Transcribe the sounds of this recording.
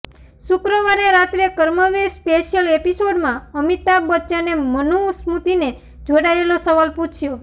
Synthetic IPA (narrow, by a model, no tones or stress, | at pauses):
ʃʊkɾəʋaɾeɾat̪ɾekəɾməʋespeʃjəlepisoɖmãəmit̪abətːt͡ʃanemənusmut̪ine | d͡ʒoɽaelosəʋalput͡ʃʰjo